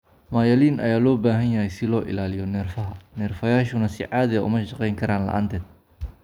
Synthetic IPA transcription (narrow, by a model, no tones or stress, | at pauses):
maːjɐliːnʔɐ̰jaːlɔːbaːɦɐnjɐɦɛjsɪlɔːʔɪ̰laːlɪjɔnɛːrfɐɦɐnɛːrfɐjaːʃʊnɐsɪʕɑːðɪɐʔʊ̰mɐʃɑqɛjŋkʰɐɾaːnlɐ̰ʔa̰ːnt̪ʰɛːd̪̥̚